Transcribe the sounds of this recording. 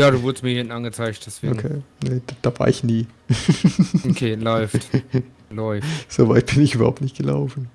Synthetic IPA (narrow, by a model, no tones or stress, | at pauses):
jaːɾuːvʊɐdəstmiɐhɪnn̩anɡət͡saɪçtd̥ɛsv̥eːoɡkʰeːned̥d̥aːva̰ːɐɪçniː | kʰeːlɔʏft | lɔʏz̥ovaɪt̚b̥ɪnɪçʔyːbɐhaʊptnɪçt̚ɡ̥əla̰ʊfn̩